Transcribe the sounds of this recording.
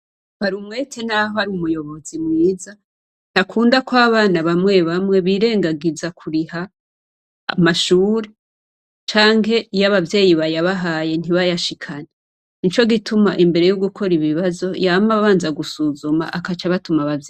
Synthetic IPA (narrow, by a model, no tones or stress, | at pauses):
βaɾumwetʰenaɦohaɾiumujo̞βo̞zimŋiːza | n̥akʰuːndakwaβaːnaβamŋe̞βamŋe̞βiːɾe̞ːŋɡaɡizakʰuɾiha̰ː | maʃuːɾe̞ | t͡ʃaːŋɦe̞ijaβavje̞ːjiβajaβaɦaje̞n̥iβajaʃikʰane | nit͡ʃo̞ɡitumaʔimbe̞ɾe̞joɡukʰo̞ɾiβiβazo̞jamaβaːnzaɡusuzuma̰ʔakat͡ʃaβatumaβavj